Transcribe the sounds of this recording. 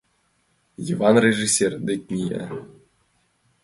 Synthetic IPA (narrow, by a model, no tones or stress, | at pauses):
jivɑnrʲeʐisʲerd̪ek̚ʲnʲijḛ